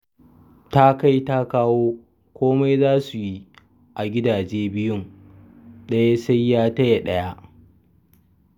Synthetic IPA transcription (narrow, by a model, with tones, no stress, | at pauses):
ta˦ka˦jta˦kaː˦woː˦ | kʷoː˦ma˦jzaː˦su˨ji˦ | ʔa˨ɡʲɪ˦daː˨d͡ʒeː˦bɪ˦jʊ˦ŋ | ɗɐ˦ja˦sa˦jːaː˦tɐ˦je˨ɗɐ˦ja˦ʔ